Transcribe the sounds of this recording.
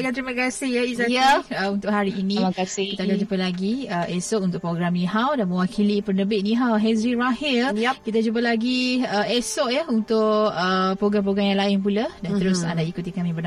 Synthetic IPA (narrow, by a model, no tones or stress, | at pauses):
kant̪ɾimãkasɪhjaizajaəunt̪ʊʔɦaɾiːnĩmkasɪkit̪akad͡ʒupəlaɡiəɛsɔʔunt̪ʊʔpɾoɡɾamnĩɦawdanmə̃wakʰilipərnəbɪʔnĩɦawɦɛsɾiɾahɪlkit̪ad͡ʒup̬əlaɡiəʔɛsɔʔjaunt̪ʊʔəpɾoɡɾampɾoɡɾamjaŋlaɪnpuladant̪əɾʊsa̰ndaikut̪ikamĩbən